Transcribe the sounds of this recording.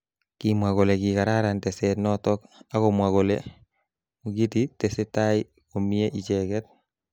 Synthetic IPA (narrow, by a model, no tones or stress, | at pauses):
kimwakolekikaɾaɾantɛsɛtnɔtɔkakomwakole | muɡititɛsetai | komieʔit͡ʃɛkɛt̚